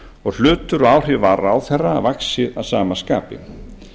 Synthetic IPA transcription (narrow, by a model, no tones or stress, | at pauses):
ɔɣl̥ʏːt̪ʏɾɔaːwr̥ɪvaɾawθɛrːa̰vaksɪðaðsaːmaskaːpɪ̰